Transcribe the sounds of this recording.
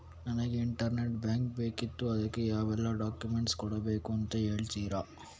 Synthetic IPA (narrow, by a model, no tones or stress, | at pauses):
nɐnɐɡeiɳʈɐɾneʈbjaːŋk̚be̞ːkit̪ːuɐd̪ɐkːejaːʋɛlːaɖaːkjumeɳʈskɔɽɐbeːkuɐnt̪ɐe̞ːɭt̪iːɾaː